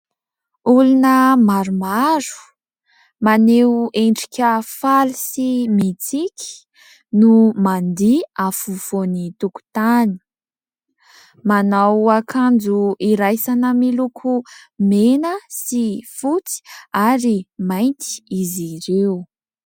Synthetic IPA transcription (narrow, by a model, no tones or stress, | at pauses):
ulunəmaɾumaɾu̥ | maneeɳɖ͡ʐi̥kʲəfalisimit͡sikʲi̥ | numand̪iafuv̥onit̪uku̥t̪ani̥ | manawakʰand͡zuiɾajsanəmilukʰumenəsifut͡si̥aɾimajnt̪i̥iziɾew